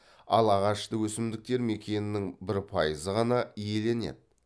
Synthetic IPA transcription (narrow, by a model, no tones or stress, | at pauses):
ɑlˠɑʁɑʃt̪əwɵsɪmd̪ɪk̚t̪e̞ɾme̞kʲe̞nɪnɪŋbɪɾpʰɑjəzəʁɑnɑije̞le̞ne̞̰d̪ɪ